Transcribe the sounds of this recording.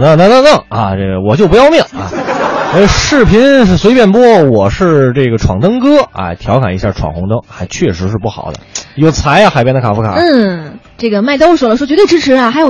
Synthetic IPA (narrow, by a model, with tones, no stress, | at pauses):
nə˧na˥˧nə˥˧ŋnɤ˥˩ŋɐ̰˧ʈ͡ʂe˥˩ɡə˩wɔ˨˩t͡ɕjo˥˧pu˧jɑ˥˧ʊmi˥˩ŋɐ̰˧˩˥ | ʂɻ̩˥˩pʰi˧˥n˩swe˧˥ɪpjɛ˥˩npwɔ˥˩wɔ˨˩ʂɻ̩˥˧ʈ͡ʂɤ˥˩ɡə˩ʈ͡ʂʰwɑ˨˩ŋt̪ɤ˥ŋkɤ˥a̰˥˩t̪ʰjɑ˧˥ʊkʰa˨˩i˧˥ɕja˥˩ʈ͡ʂʰwɑ̰˨˩ŋxʊ˧˥ŋt̪ɤ˥ŋxa˧˥ɪt͡ɕʰɥɛ˥˩ʂɻ̩˧˥ʂɻ̩˥˧pu˥˩xɑ̰˨˩ʊd̪ə̰˦jo˨˩ʊt͡sʰa˧˥ɪɐ˧˩xa˨˩ɪpjɛ˥nd̪ə˩kʰa˨˩fkʰa̰˨˩˥ | ʈ͡ʂɤ˥˩ɡə˩ma˥˩ɪt̪o˥ʊʂwɔ˨˩lə˦ʂwt͡ɕɥɛ˧˥we˥˩ɪʈ͡ʂɻ̩˥ʈ͡ʂʰɻ̩˧˥ɐ˧˩xa˧˥ɪjo˨˩